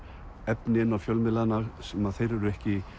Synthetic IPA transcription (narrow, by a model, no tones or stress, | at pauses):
ɛpnɪnawfjœwlmɪlanaɣsɛmaðθejɾɛɾʏɛhcɪ